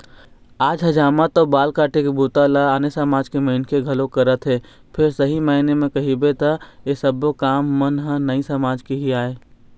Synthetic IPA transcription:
aːd͡ʒɦɐd͡ʒaːmat̪obaːlkaːʈekbuːt̪alaːnesəmaːd͡ʒkemɐɪnkeɡʱɐlõkɐɾət̪ɦɛː | pʰɪɾsɐɦimaːɪnemẽkɐɦibet̪ajesɐbokaːmːənɦə̃nɐisɐmaːd͡ʒkeɦiaːe

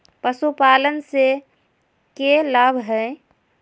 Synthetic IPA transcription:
pəsupaːlənse | kelaːbʱɦɛe

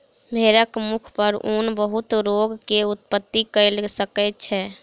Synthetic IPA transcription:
bʱeːɾəkmʊkʰpəɾunbəɦʊt̪ɾoːɡkeʊt̪̚pət̪ːikəɪlsəkɛt͡ʃʰɛː

